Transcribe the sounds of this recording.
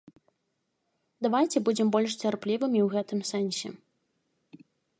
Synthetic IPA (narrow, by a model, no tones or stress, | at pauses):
d̪avajt͡sʲɛbud͡zʲɛmbɔlʲʂt͡sʲarplʲivɨmʲiwɣɛt̪ɨmsɛnsʲɛ̰